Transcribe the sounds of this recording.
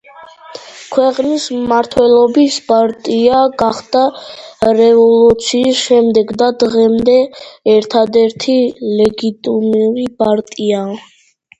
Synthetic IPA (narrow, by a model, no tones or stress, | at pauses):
kʰwɛqʼnismaɾt̪ʰwɛlˠɔbispʼaɾt̪ʼiaɡaχd̪a | ɾɛvɔlˠut̪sʰiːsʃɛmd̪ɛɡd̪ad̪ʁɛmd̪ɛːɾt̪ʰad̪ɛɾt̪ʰilɛɡit̪ʼimɾipʼaɾt̪ʼia